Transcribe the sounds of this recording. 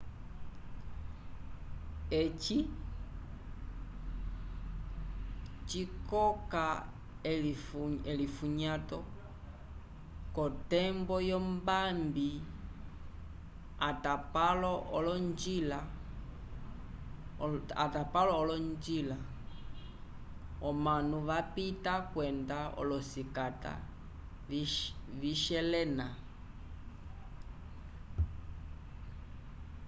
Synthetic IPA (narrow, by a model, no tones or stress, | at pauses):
ɛt͡ʃi | t͡ʃikɔka | ɛlifuɲatɔ | kɔtɛmbɔjɔmbambi | atapalɔɔlɔɲd͡ʒila | a̰tapalɔːlɔnd͡ʒila | ɔmanuβapitakwɛndaɔ̰lɔsikata̰ | viʃɛlɛna